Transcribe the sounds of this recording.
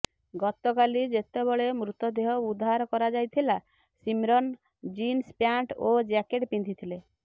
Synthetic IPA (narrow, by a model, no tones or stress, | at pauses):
ɡɔt̪ɔkalid͡ʒet̪ebɔɭemɾut̪ɔd̪eɦɔud̪ʱːaɾɔkɔɾad͡ʒajt̪ʰila | simɾɔn | d͡ʒinspjaɳʈod͡ʒakeʈpind̪it̪ʰile